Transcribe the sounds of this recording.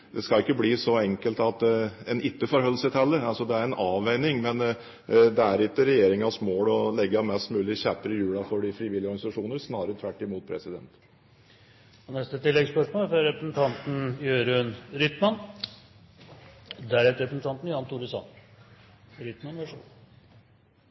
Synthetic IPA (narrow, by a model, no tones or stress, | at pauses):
d̪ɛskɑɪkːəbliːsɔɛŋkəlt̪ɑt̪ɛnɪt̪ːəfɔɾɦœlːsɪt̪hɛlːəɾɑlsɔd̪ɛæɾɛnʔɑːʋæɪnɪŋmɛn | d̪ɛæɾɪt̪ːəɾɛjeːɾɪŋɑsmoːlɔlɛɡːəmɛst̪mʉːlɪçæpəɾəjʉːɽɑfɔɖɪfɾiʋɪlːɪɔɾɡɑnɪsɑʂuːnəɾsnɑːɾəɾət̪ʰʋæʈːɪmuːt̪̚pʰɾɛsɪd̪ɛ̰nt̪ | ɔnɛst̪ət̪ɪlːɛɡspœʂmoːlfɾɔɾɛpɾəsn̩t̪ʰɑnt̪n̩jøːɾnɾʏt̪mɑn | d̪æɾæt̪ɾɛpɾəsn̩t̪ɑnt̪n̩jɑnt̪ʰuːɾəsɑ̰n | ɾʏt̪mɑnʋæʂɔ